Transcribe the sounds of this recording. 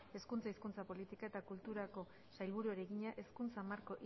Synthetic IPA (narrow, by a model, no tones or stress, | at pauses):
e̞skunt͡saiskunt͡sapo̞lit̪ikae̞t̪akult̪uɾako̞ | sajlβuɾueɾe̞ɣiɲaʔe̞skunt͡samaɾko̞ʔ